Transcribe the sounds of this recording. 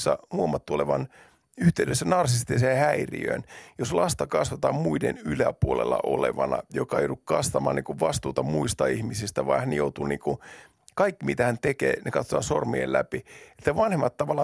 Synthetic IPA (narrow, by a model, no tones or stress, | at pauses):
sːɑ̰nuomːɑt̪ːuoleʋɑn | yht̪eydøsːænɑrsist̪isehæirḭø̰ːnjoslɑst̪ɑkɑsʋɑt̪ɑːmmuidenylæpuolelːɑ̰ʔoleʋɑnɑjokɑḛjoɾukkɑsʋɑmɑ̰ːniːŋkuʋʋɑst̪uːt̪ɑmuist̪ɑihmisist̪æʋɑihænjout̪uniːŋku | kɑikːimit̪æhænt̪ekḛːnekɑt̪sot̪ɑnsormiḛlæpie̥t̪ːæʋɑnhemːɑt̪t̪ːɑʋɑlːɑ